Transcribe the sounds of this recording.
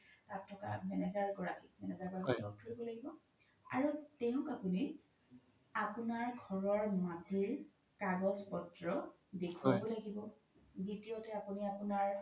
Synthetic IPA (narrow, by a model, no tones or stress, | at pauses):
tatʰːɔka̰mɛnɛzaɹɡɔɹakimɛnɛzaɹɡɔɹakitɔk̚tʰoɹibɔlaɡibɔ | a̰ɹutɛʊ̃kapuni | apunaɹɡʱɔɹɔɹmatiɹ | kaɡɔzpɔtɹɔ | dekʰwabɔlaɡibɔ | ditiotɛapuniapunaɹ